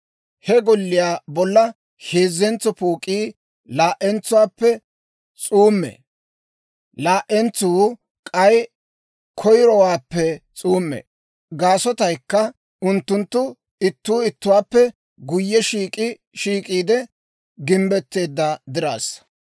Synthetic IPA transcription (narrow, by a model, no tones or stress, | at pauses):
hɛɡɔlːɪjaːbɔlːɐ | heːzːɛnt͡sːɔpuːkʼiː | laːʔɛnt͡sːʊwaːpːɛ | t͡sʼuːmːɛ̰ | laːʔɛnt͡suː | kʼɐj | kʰɔjɾɔwaːpːɛt͡sʼuːmːɛ̰ | ɡaːsɔt̪ɐjkːɐ | ʊnt̪ːʊnt̪ːʊ | ɪt̪ːuːɪt̪ːʊwaːpːɛ | ɡʊjːɛʃiːkʼɪ | ʃiːkʼiːd̪ɛ | ɡɪmbɛt̪ːe̞ːd̪ːɐd̪ɪɾa̰ːs